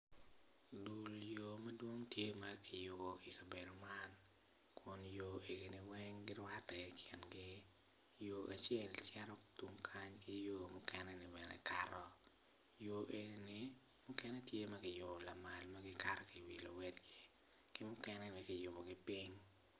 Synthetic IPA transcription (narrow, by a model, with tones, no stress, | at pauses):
du˨ljo˨mɐ˦dwo˦ŋtje˦mɐkʰɪ˨jʊ˨bo˨i˨ka˨be˨do˨ma˦n | kʰʊ˦njo˦ʔe˨ɡi˨nɪ˨wɛŋɡɪ˦lwa˦tɛ˨kʰɪ˨nɡɪ˦ | jo˨ʔa˨t͡ʃjɛ˦lt͡ʃɛ˦ɾɔ˦tu˦ŋkʰa˦ɲkɪ˦joː˦mʊ˦kɛnɛnɪ˨bɛ˨nɛ̰˨kaɾɔ˦ | jo˨ʔe˨ni˦nɪ˨ | mʊ˦kɛ˦nɛ˦tje˦mɐ˦kɪ˨jo˨bɔ˨la˨ma˨lmɐɡɪ˦ka˦ɾɔ˨ki˨wi˨lo̰˨wɛ˦dɡɪ˦ | kɪ˦mʊ˦kɛ˦nɛ˦nɪ˨kɪ˨jʊ˨bo˨ɡɪ˦piŋ